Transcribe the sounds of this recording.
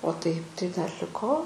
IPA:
oː tɐɪp tɐɪ dɐr lʲɪˈkoː

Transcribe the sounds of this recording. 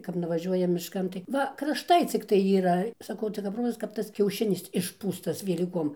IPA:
kɐp nʊʋɐˈʒʲuɔjɛ mʲɪʃˈkɐn tɐɪ ˈʋɐ krɐʃˈtɐɪ t͡sʲɪkˈtɐɪ iːˈrɐ sɐˈkɐʊ tɐɪ kɐp ˈroːzɐs kɐp ˈtɐs kʲɛʊˈʃʲɪnʲɪs ɪʃˈpuːstɐs ʋʲɛlʲiːˈkoːm

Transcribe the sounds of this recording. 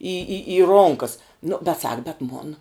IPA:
iː iː iː ˈroːŋkɐs nʊ bʲɛt ˈsɐk bʲɛt ˈmoːn

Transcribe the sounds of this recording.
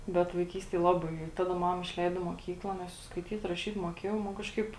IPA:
bʲɛt ʋɐɪˈkʲiːsʲtʲeːj ˈlˠɑːˌbɐɪ ɪ ˈtɑːˌdɐ ˈmɑːmɐ ɪʃʲˈlʲɛɪdoː ɪ moːˈkʲiːklˠɐ ˈnʲɛs jɛʊ skɐɪˈtʲiːt rɐˈʃʲiːt moːˈkʲeːjɛʊ mɐ ˈkɑːʃˌkɐɪp

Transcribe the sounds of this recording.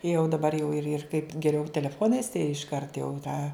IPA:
jɛʊ dɐˈbɐr jɛʊ ɪr ɪr kɐɪp ɡʲɛˈrʲɛʊ tʲɛlʲɛˈfoːnɐɪs ɪʃˈkɐrt jɛʊ ˈtɑː

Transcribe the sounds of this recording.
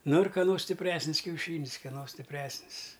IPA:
ˈnʊ ɪr kɐˈnoː sʲtʲɪpʲˈrʲæːsʲnʲɪs kʲɛʊˈʃʲiːnʲɪs kʲɛˈnoː sʲtʲɪpʲˈrʲæːsʲnʲɪs

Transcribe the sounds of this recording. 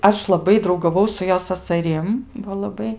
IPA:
ˈɐʃ lˠɐˈbɐɪ drɐʊɡɐˈʋɐʊ sʊ ˈjoː sɐsɐˈrʲɪm ʋɐ lˠɐˈbɐɪ

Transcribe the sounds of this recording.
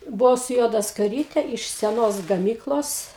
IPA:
bʊˈɐʊ sʊ ˈjuɔdɐ skɐˈrʲiːtʲɛ ɪʃ sʲɛˈnoːs ɡɐˈmʲiːklˠoːs

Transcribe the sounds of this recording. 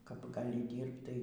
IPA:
kɐp ɡɐˈlʲɪ ˈdʲiːrpt tɐɪ

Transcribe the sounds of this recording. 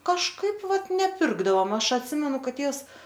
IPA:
kɐʃˈkɐɪp ˈʋɐt nʲɛˈpʲɪrɡdɐʋoːm ˈɐʃ ɐtʲˈsʲɪmʲɛnʊ ˈkɐt ˈtʲeːws

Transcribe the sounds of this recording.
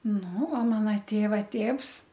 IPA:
nʊ oː ˈmɑːnɐ ˈtʲeːʋɐ ˈtʲeːws

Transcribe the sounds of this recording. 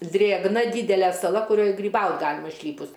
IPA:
ˈdʲrʲeːɡnɐ ˈdʲiːdʲɛlʲɛ sɐˈlˠɐ kʊˈrʲoːj ɡrʲiːˈbɐʊt ˈɡɑːlʲɪmɐ ɪʃʲˈlʲiːpʊs

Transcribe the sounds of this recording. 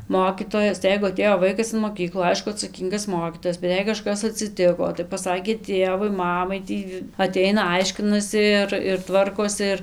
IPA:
ˈmoːkʲiːtoːjɛs tɐɪ ˈjɛɪɡʊ ɐˈtʲeːjoː ˈʋɐɪkɐs ɪn moːˈkʲiːklˠuː ˈɐɪʃkʊ ɐtsɐˈkʲiːŋɡɐs ˈmoːkʲiːtoːjɛs bʲɛt ˈjɛɪ kɐˈʃkɐs ɐtʲsʲɪˈtʲɪkoː tɐɪ pɐˈsɑːkʲeː ˈtʲeːʋʊɪ ˈmɑːmɐɪ ˈtʲiː ɐˈtʲɛɪnɐ ˈɐɪʃʲkʲɪnɐsʲɪ ɪr ɪr ˈtʋɐrkoːsʲɪ ɪr

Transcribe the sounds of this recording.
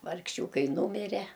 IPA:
ʋɐrkˈʃʲuːkɐɪ ˈnuːmʲɪrʲɛ

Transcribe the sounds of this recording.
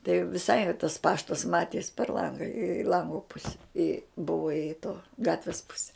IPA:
tɐɪ ʋʲɪˈsɐɪ tɐs ˈpɑːʃtɐs ˈmɑːtʲiɛs pʲɛr ˈlˠɐŋɡɐ ɪ ˈlˠɐŋɡoː ˈpʊsʲɛ ɪ ˈbʊʋoː ɪ toː ˈɡɑːtʲʋʲɪs ˈpʊsʲɛ

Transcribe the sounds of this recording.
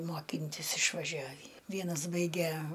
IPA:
moːˈkʲɪnʲtʲɪs ɪʃʋɐˈʒʲæːʋʲiː ˈʋʲiɛnɐs ˈbɐɪɡʲɛ

